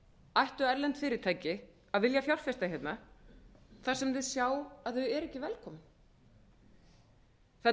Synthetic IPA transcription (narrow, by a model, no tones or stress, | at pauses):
ajht̪ʏɛɾlɛnt̪fɪːɾɪɾt̪ʰaːjcɪ | aðvɪljafjawr̥fɪst̪açjɛt̪na | θḁsɛmðɪðsjaːwaðθœɛɾɛhcːɪvɛlkʰɔːmɪn | θɛ